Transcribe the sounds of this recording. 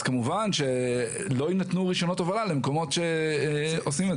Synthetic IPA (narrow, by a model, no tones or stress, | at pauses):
kamuvanʃe̞ | lo̞inat̪nuʁiʃo̞no̞tavalalemko̞mo̞tʃe̞ | osime